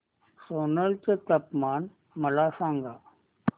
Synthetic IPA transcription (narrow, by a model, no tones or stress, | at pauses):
soːnəlt͡ɕet̪ɐpmaːn | mɐlaːsaːŋɡaː